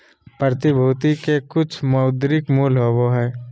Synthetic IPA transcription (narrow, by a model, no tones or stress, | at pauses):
pɾət̪ɪbʱuːt̪ikekʊt͡ʃʰmɐːd̪ɾɪkmuːlɦoʋoɦɛː